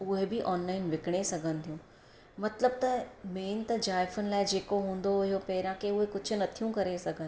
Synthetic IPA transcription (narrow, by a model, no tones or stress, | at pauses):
ʊɦebiʔɔːnlaːɪnʋɪkɽ̃esɐɡʱə̃n̆t̪ʰijũ | mɐt̪ləb̚t̪ɐmeːnt̪ɐd͡ʒaːɪfənɪ̆laːɪd͡ʑeːkoɦũːn̆d̪oʊɦijopɛːɾãkeʊɦekʊd͡ʑʰʊ̆nɐt̪ʰijũkɐɾesɐɡʱə̃n